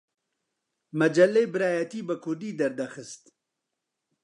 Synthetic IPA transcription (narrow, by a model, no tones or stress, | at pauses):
mɐd͡ʒɐlːejbɨɾaːjɐt̪iːbəkʰʊɾd̪iːd̪ɐɾd̪ɐxɨst̪